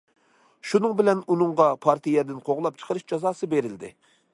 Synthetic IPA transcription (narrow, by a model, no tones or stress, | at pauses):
ʃunɨŋbɪlɛnunɨɴʁɑpʰɑɾt̪ʰɨjɛd̪ɪnqʰoʁlˠɑp̚t͡ʃʰə̥qʰəɾɨʃd͡ʒɑzɑːsɨbeɾɪld̪ɪ̰